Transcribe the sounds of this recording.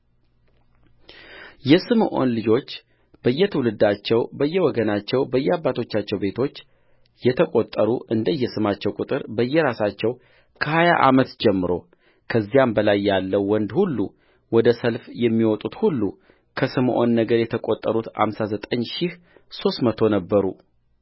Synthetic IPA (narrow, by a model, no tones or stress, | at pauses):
jɛsɨmʔo̞̰nlɨd͡ʒo̞t͡ʃː | b̥əjːɛt̪ʰəwlɨd̪at͡ʃːɛwbəjːɛwɔɡənat͡ʃːɛwbəjːɛabːat̪ʰo̞t͡ʃːat͡ʃːɛwbe̞t̪ʰo̞t͡ʃː | jɛt̪ʰəkʼot̪ʼːəɾuʔɨnd̪əjːɛsɨmat͡ʃːɛwkʼut̪ʼɨɾbəjːɛɾasat͡ʃːɛw | kʰəhaja̰ʔa̰mət̪d͡ʒɛmːɨɾo̞̰ | kʰəzːijambəlajːalːəwːɔnd̪hulːṵ | wɔd̪əsəlfjɛmːiwɔt̪ʼut̪hulːu | kʰəsɨmʔo̞̰nːəɡəɾjɛt̪ʰəkʼot̪ʼːəɾut̪ha̰msazət̪ʼəɲʃɪh | so̞st̪mət̪ʰo̞nəbːəɾṵ